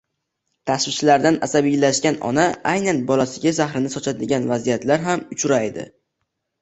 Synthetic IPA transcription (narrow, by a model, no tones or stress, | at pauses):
t̪ʰasvɪt͡ʃʰɪlaɾd̪anasabijlaʃkʲanɒ̰naajnanbɒlasɪɡʲazahɾɪnɪsɒt͡ʃʰad̪ɪɡʲanvazijat̪laɾɦamʊt͡ʃʰʊɾajd̪ɪ̰